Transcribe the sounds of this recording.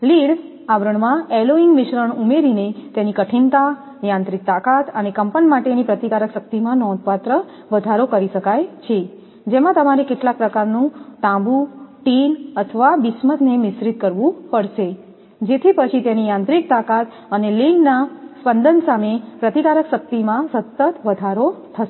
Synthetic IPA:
liɽ | aʋɾəɳ̃mãeloiŋɡmɪʃɾəɳumeɾinet̪janikəʈʰint̪a | jãnt̪ɾik̚t̪akat̪ənekəmpənmaʈenipɾət̪ikaɾəkʃək̚t̪imãnɔ̃d̪pat̪ɾə | ʋəd̪ʱaɾokəɾiʃəkajt͡ʃʰe | d͡ʒemãt̪əmaɾekeʈlak̚pɾəkaɾnũt̪ãbuʈinət̪ʰəʋaʋɪsmət̪nemɪsɾit̪kəɾʋũpəɽʃe | d͡ʒet̪ʰipət͡ʃʰit̪janijãnt̪ɾik̚t̪akat̪ | ənelinːaspənd̪ənsamepɾət̪ikaɾəkʃək̚t̪imãsət̪ːət̪ʋəd̪ʱaɾot̪ʰəʃe

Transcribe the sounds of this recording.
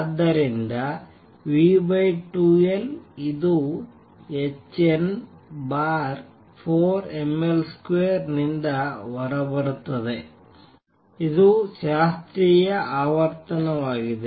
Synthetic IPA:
ɐd̪ɐɾendɐ | ʋiːbɐjʈueliðu | et͡ɕːen | baːr | foːremelskʋeːrnind̪ɐʋɐrɐbɐɽut̪ːɐðɨ | iðuɕaːst̪ɾijɐʔaːʋɐrt̪ɐnɐmaːɣiðɨ

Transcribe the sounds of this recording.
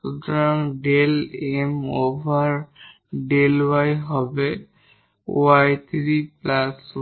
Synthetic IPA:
ud̪ɔɹaŋɖelemobʱaɹ | ɖelwajɦɔbɛ | ṵajt̪ʰɹiplas

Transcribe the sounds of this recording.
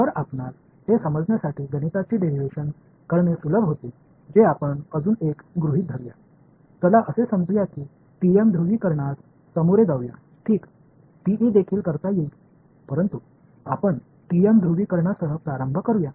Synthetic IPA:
t̪əɾapɳal | h̪esəməd͡zɳjasaʈʰiːɡənit̪at͡ɕiːɖeɾiʋeɕən | kəɾɳesuləbʱɦot̪e | d͡ʑeapəɳəd͡zuːnekɡɾuɦiːt̪̚d̪ʱəɾuja̰ | t̪əlaʔəsesəmd͡zjakiː | ʈiemd̪ʱɾuʋiːkəɾɳas | səmuɾeɡaʋja̰ | ʈʰiːk | ʈiʔiːd̪ekʰiːlkəɾt̪aje | pəɾənt̪u | apəɳ | ʈiemd̪ʱɾuʋiːkəɾɳasəɦəpɾaɾəmbʱəkəɾuja

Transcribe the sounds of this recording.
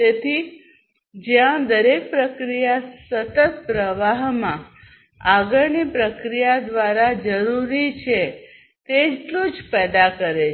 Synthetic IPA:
t̪et̪ʰi | d͡ʒjãd̪əɾek̚pɾəkɾijasət̪ət̪pɾəʋaɦmã | aɡəɾnipɾəkɾijad̪ʋaɾad͡ʒəɾuɾit͡ʃʰe | t̪eʈlũd͡ʒpɛd̪akəɾe

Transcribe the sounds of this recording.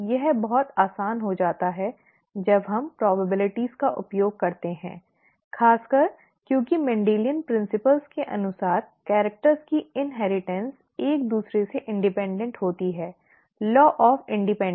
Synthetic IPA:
jɛɦbɐɦɔt̪aːsaːnɦod͡ʒaːt̪aɦɛ | d͡ʒɐbɦɐ̃mpɾɔːbəbɪlɪʈiz̥kaʔʊ̰pjoːɡ̚kɐɾt̪eɦɛ̰̃ː | xaːskɐɾ | kjõːkimɛ̃ɳɖeːlijənpɾɪ̃nsɪpəlzkeʔɐ̰nʊsaːɾkɛːɾək̚ʈəɾzkiɪnɦɛːɾɪʈɛ̃ns | eːk̚d̪uːsɾeseʔɪ̃ɳɖɪpɛ̃ːɳɖə̃ɳʈɦoːt̪iɦɛː | lɔːʔɔːfɪ̃ɳɖɪpɛ̃

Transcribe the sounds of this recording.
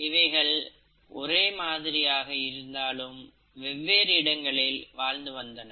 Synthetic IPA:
ɪʋɐɪɣɐɭ | ʔɔɾeːmaːðɪɾɪjaːɣɐɪɾɯnd̪aːlɯm | ʋɛʋːeːɾɪɽɐŋɡɐɭɪlʋaːɻnd̪ɯʋɐnd̪ɐnɐ

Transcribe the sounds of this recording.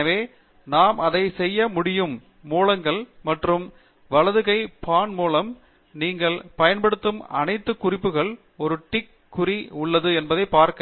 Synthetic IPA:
ɐʋeː | naːmʔɐðɐɪsɛjːɐmʊɽɪjɯmː | uːlɐŋɡɐɭmɐʈrɯm | ʋɐɭɐðɯɣɐɪpaːnmuːlɐm | niːŋɡɐɭpɐjɐnpɐɽɯt̪ːɯmɐ̰nɐɪt̪ːɯkːʊrɪpːɯɣɐɭ | ɔɾɯʈɪkːʊriʊɭːɐðɯɛnbɐðɐɪpːaːɾkɐ

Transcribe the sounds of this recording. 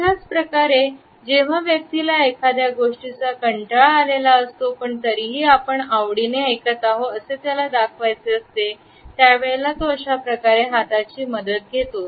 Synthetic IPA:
ɦjat͡spɾəkaɾe | d͡ʑeʋ̤aʋjək̚t̪ilaekʰad̪jaɡoʂʈit͡sakəɳʈaɭalelaəst̪opəɳt̪əɾiɦiːapəɳaʋɽineəjkət̪aɦoəset̪jalad̪akʰʋajt͡seəst̪e | t̪jaʋeɭlat̪oəɕapɾəkaɾeɦat̪at͡ɕiːməd̪ət̪̚ɡʱet̪o

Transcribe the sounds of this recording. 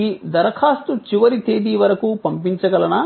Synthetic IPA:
id̪ɐɾɐkʰaːst̪ut͡ʃiʋɐɾit̪eːd̪iːʋɐɾɐkupɐmpiɲt͡ʃɐɡɐlɐnɐ

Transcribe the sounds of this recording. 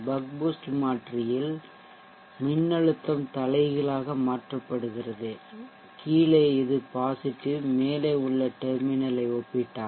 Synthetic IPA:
bɐk̚boːsʈmaːʈrɪjɪl | mɪnːɐɻɯt̪ːɐmt̪ɐlɐɪɣɐɭaːɣɐmaːʈrɐpːɐɽɯɣɪrɐðɯ | kʰiːlɐɪɪðɯpaːsɪʈːɯmeːlɐɪʊɭːɐʈɛɾmɪnɐlɐɪɔpːɪʈːaː

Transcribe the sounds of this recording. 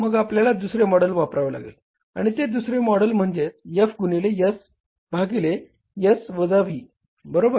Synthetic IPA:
məɡapljalad̪usɾemɔɽəlʋapɾaʋəla̰ɡḛl | a̰ɽ̃it̪ed̪usɾemɔɽəlm̤əɳd͡ʑet͡s̚jəfɡunilejəs | bʱaɡile | jəsʋəd͡zaʋ̤iː | bəɾobəɾ

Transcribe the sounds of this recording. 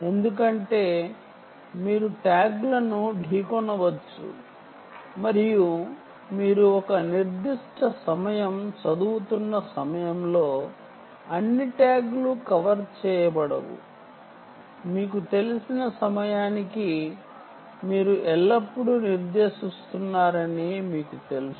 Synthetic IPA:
e̞nd̪uk̬ɐɳʈe̞ː | miːɾuʈaːɡlɐnuɖʱiːkɔnɐʋɐt͡ʃːṵ | mɐɾiju | miːɾuɔkɐniɾd̪iʂʈɐsɐmɐjɐmt͡ʃɐd̪uːt̪unːɐsɐmɐjɐmlo̞ː | ɐnːiʈaːɡlukɐʋɐɾt͡ʃɛːjɐbɐɽɐ̰ʋṵ | miːkut̪e̞lisinɐsɐmɐjaːniki | miːɾuʔɛlːɐpːuɽuniɾd̪e̞ːʃist̪unːaːɾɐnimiːkut̪e̞lus

